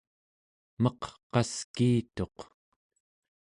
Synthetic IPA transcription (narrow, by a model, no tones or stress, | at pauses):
mʌqqɑskiːt̪o̞q